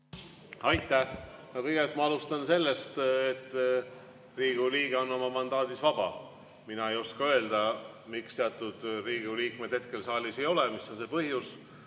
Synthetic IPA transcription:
ɑjt̪ːˑæhɑkɤjɡelt̪ˑmɑɑlust̪ɑnse̞lːe̞st̪et̪ːˑ | riːɡ̥uliːɡ̥e̞o̞nːo̞mɑmɑnd̪ɑːd̪isvɑb̥ɑ̰ | minɑe̞jo̞skɑø̞ld̪̥ɑ | mikst̪eɑt̪ːˑud̪̥riːɡuliːkme̞d̪̥he̞t̪̚ke̞lsɑːlʲise̞jo̞lemisːo̞nse̞pɤɦjus

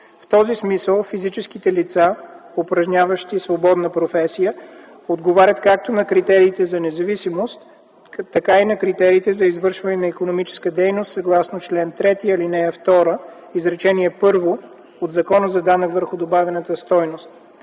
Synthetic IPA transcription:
ft̪ɔzismisəlˠfizit͡ʃɛsk̟it̪ɛlit̪saopɾɐʒnʲavəʃt̪isvobɔd̪nəpɾofɛsijə | od̪ɡovaɾʲət̪kak̚t̪onɐkɾit̪ɛɾiːt̪ɛzɐnɛzɐvisimost̪ː | ɐkainɐkɾit̪ɛɾiːt̪ɛzɐizvɤɾʃvɐnɛnɐikonomit͡ʃɛ̥skəd̪ɛjnost̪sɐɡlˠasnot͡ʃlɛnt̪ɾɛt̪iɐlinɛft̪ɔɾə | izɾɛt͡ʃɛniɛpɤɾvo | od̪zɐkɔnəzɐd̪anəkvəɾxʊd̪obavɛnət̪əst̪ɔjnost̪̚

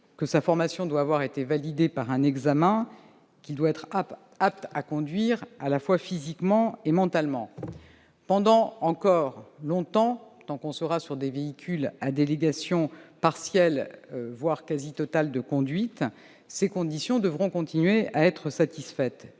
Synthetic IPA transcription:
kəsafɔʁmasjɔ̃d̪waːvwaʁet̪evalid̪epaʁɛ̃nɛɡzamɛ̃ | kʲild̪waɛt̪χ | ap̚t̪akɔ̃d̪ɥiʁalafwafizikmɑ̃emɑ̃t̪almɑ̃ | pɑ̃d̪ɑ̃ɑ̃kɔʁlɔ̃t̪ɑ̃t̪ɑ̃kɔ̃səʁasyʁd̪eveikʲylad̪eleɡasjɔ̃paʁsjɛlvwaʁkazit̪ɔt̪ald̪əkɔ̃d̪ɥit̪ | sekɔ̃d̪isjɔ̃d̪əvʁɔ̃kɔ̃t̪ʰinɥeaɛt̪χəsat̪isfɛt̪

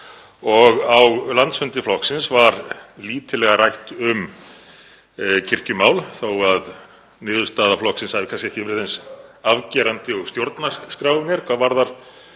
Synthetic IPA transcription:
ɔɣawɣlant̪sfɛnt̪ɪflɔhksɪnsvaɾliːt̪ʰɪlɛɣarajht̪ʏm | cʰɪr̥cʏmaːwlθowað | nɪːðʏst̪aːðaflɔksɪnshaðɪkʰanscɪɛhcɪvɪɾɪðɛnsavcɛɾant̪ɪɔɣst̪jowɾt̪naskɾaːwʏmjɛɾ̥kʰvaðvaɾðaɾ̥

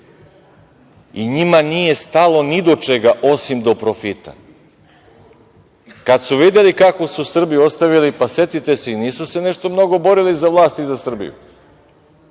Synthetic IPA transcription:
iɲimanije̞st̪alo̞nid̪o̞t͡ʃe̞ɡaʔo̞simd̪o̞pɾofit̪a̰ | kad̪suʋid̪e̞likako̞susr̩bio̞st̪aʋilipase̞t̪it̪e̞se̞iniːsuse̞ne̞ʃt̪o̞mno̞ɡo̞bo̞ɾilizaʋlˠaːst̪izasr̩bḭjṵ

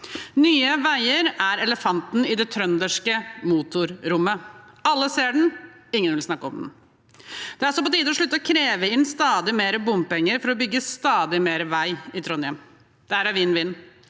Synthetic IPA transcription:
nyːəʋæɪəɾæɾɛləfɑnt̪nɪd̪ɛt̪ʰɾœnd̪əʂkəmuːt̪ʊɾɾʊmːə | ɑlːəseːɖɳ̩ | ɪŋːənʋɪlsnɑkːəɔmd̪n̩ | d̪̥ɛæɾsɔpɔt̪ʰiːd̪əɔʂɭʉt̪ːəɔkʰɾeːʋəɪnːst̪ɑːd̪ɪmeːɾəbʊmpɛŋːəɾfɔɾɔbʏɡːəst̪ɑːd̪ɪmeːɾəʋæɪɪt̪ʰɾɔnjɛm | d̪̥ɛæɾæʋiːnːʋɪnː

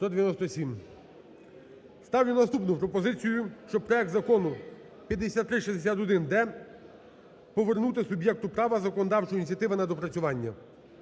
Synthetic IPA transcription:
st̪ɔd̪eʋjɐnɔst̪ɔsʲim | st̪ɑwjinɐst̪upnʊpɾɔpɔzɪt͡sʲijʊʃt͡ʃɔb̚pɾɔɛk̚t̪zɐkɔnʊ | pʲjɐd̪ːesʲat̪ːɾɪʃizd̪esʲat̪ɔd̪ɪnd̪ɛ | pɔʋernut̪ɪsʊbʲjɛk̚t̪ʊpɾɑʋɐzɐkɔnɔd̪ɑwt͡ʃɔjinʲitt͡sʲjɐt̪ɪʋɐnɐd̪ɔpɾɐt͡sʲʊʋɑnʲːɐ

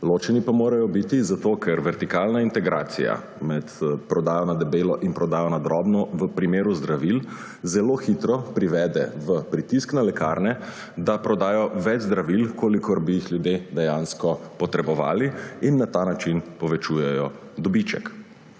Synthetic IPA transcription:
loːt͡ʃɛnipamoːɾajɔbit̪izat̪okʰɛɾʋɛɾt̪ikaːlnaint̪ɛɡɾa̰ːt̪sḭja̰ | mɛt̪pɾɔd̪aːjɔnad̪ɛbeːlɔʔinpɾɔd̪aːjɔnad̪ɾɔbnɔʋəpɾimeːɾuzd̪ɾaʋil | zɛloːxit̪ɾɔpɾiʋɛːd̪ɛ̰ʋəpɾit̪isknalɛka̰ːɾnɛ | d̪apɾɔd̪aːjɔʋɛd͡ʒzd̪ɾaʋilkʰoːlikʰoɾbijixljud̪jed̪ɛjaːnskɔpɔt̪ɾɛbɔʋa̰ːliinːat̪anat͡ʃinpɔʋɛt͡ʃuːjɛjɔ | d̪ɔbit͡ʃɛ̰k

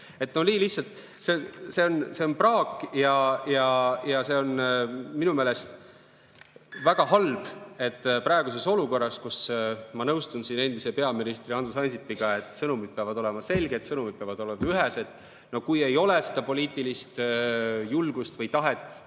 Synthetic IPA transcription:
e̞t̪no̞niːlihsɑlt̪ | se̞se̞o̞nse̞o̞nprɑːkˑjɑjɑjɑse̞o̞nminumeːle̞st̪ | væɡ̥ɑɦɑlb̥e̞t̪ːprɑeɡ̥us̬e̞so̞luko̞rːɑskusmɑnɤwst̪unsine̞nd̪̥ise̞pe̞ɑminist̪riɑnd̪usɑnʲsipːiɡ̥ɑe̞t̪ːˑsɤnumid̪̥̚peɑvɑd̪̥o̞le̞mɑse̞lɡet̪sɤnumid̪̥̚peɑvɑd̪o̞lemɑyɦese̞d̪̥ | no̞kuje̞jo̞lesed̪̥ɑpo̞lʲiːt̪ːˑilist̪julɡ̥ust̪vɤjt̪ɑɦe̞t̪ːˑ

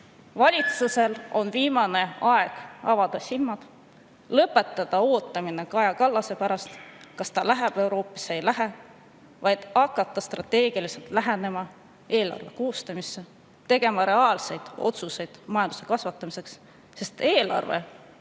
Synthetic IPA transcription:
vɑlʲit̪suse̞lo̞nviːmɑne̞ɑe̞ɡ̥ɑvɑd̪̥ɑsilmːɑd̪̥ | lɤpːˑe̞t̪ˑːɑd̪̥ɑo̞ːt̪ːˑɑmine̞kɑjɑkɑlːɑse̞pæɾɑst̪kɑst̪ɑlæɦæb̥e̞wɾo̞ːpːˑɑ̥sejlæɦe | vɑjd̪̥ɑkːˑɑt̪ːˑɑst̪rɑt̪ˑːe̞ːɡ̥ilise̞lt̪læɦene̞mɑ | e̞ːlɑ̰rve̞koːst̪ɑmisːe | t̪e̞ɡ̥e̞mɑɾe̞ɑːlse̞jd̪̥o̞̰t̪suse̞jd̪̥mɑjɑnd̪̥u̥se̞kɑsvɑt̪ˑːɑmise̞ksː | e̞st̪e̞ːlɑ̰rvḛ

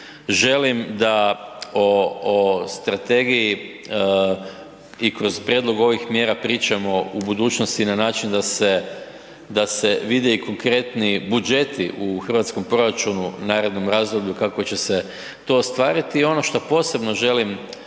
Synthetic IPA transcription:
ʒe̞limd̪aoost̪ɾat̪e̞ɡiji | ikɾo̞zpɾʲjed̪lˠo̞ɡo̞ʋixmje̞ːɾapɾiːt͡ʃamo̞ubud̪uːt͡ʃno̞st̪inanaːt͡ʃind̪ase̞ | d̪ase̞ʋid̪eiko̞ŋkɾe̞t̪nibud͡ʒe̞t̪iʔuxr̩ʋat̪sko̞mpɾo̞ɾat͡ʃununaːɾed̪no̞mɾaːzd̪obʎukakʋot͡ɕe̞se̞ | t̪o̞ːst̪ʋaːɾit̪iːo̞no̞ʃt̪o̞po̞se̞bno̞ʒe̞lim

